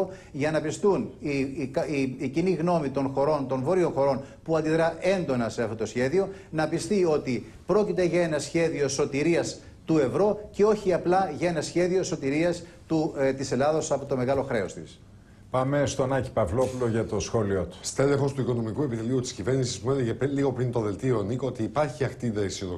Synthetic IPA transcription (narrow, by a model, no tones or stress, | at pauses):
ʝɐnɐpist̪unikiiciniɣno̞mit̪o̞nxo̞ɾo̞nt̪o̞nvo̞ɾionxo̞ɾo̞npuɐnd̪iðɾɐʔe̞nd̪o̞nɐse̞ɐft̪o̞t̪o̞sçe̞ðio̞nɐpist̪io̞t̪i | pɾo̞cit̪e̞ʝɐe̞nɐsçe̞ðio̞so̞t̪iɾiɐs | t̪ue̞vɾo̞ce̞o̞çiɐplɐʝɐe̞nɐsçe̞ðio̞so̞t̪iɾiɐs | t̪ut̪ise̞lɐðo̞sɐpo̞t̪o̞me̞ɣɐlo̞xɾe̞o̞st̪is | pɐme̞st̪onɐci̥pɐvlo̞pulo̞ʝɐt̪o̞sxo̞liot̪u̥st̪elexo̞st̪uiko̞no̞mikue̞pit̪eliut̪i̥scive̞ɾnisismue̞leʝepliɣo̞pɾint̪oðe̞lt̪ionikot̪iːpɐɾçiɐxt̪iðɐisioðo